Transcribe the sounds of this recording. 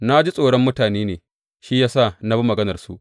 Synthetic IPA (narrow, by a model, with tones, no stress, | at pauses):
na˦d͡ʒi˦sʼoː˨ɽɔ˦mːʊ˦taː˨neː˦neː˨ | ʃi˦jaː˦sa˦˨na˦bɐ˦mɐ˨ɡɐ˦nɐ˨rsṵ˦ʔ